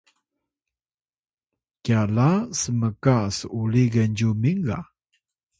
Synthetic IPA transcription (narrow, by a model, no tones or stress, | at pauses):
kjalasəməkasuliɡənɟumiŋɡa̰